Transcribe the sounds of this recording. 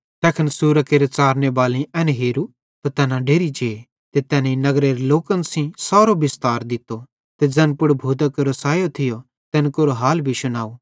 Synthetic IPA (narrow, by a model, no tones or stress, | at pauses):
t̪ɛːkʰənsuːɾəkeːɾet͡saːɾnebaːlĩʔɛnɛɦeːɾu | t̪at̪ɛːnãɖeːɾid͡ʒeː | t̪et̪ɛːninɐɡɾeɾeloːkə̃nsĩsaːɾobɪst̪aːɾd̪ɪt̪ːo | t̪ed͡zɛ̃ːnpʊɽbʱuːd̪akoɾosaːjot̪ʰɪjo | t̪ɛːnkoɾoɦaːlbʱisʊnaːu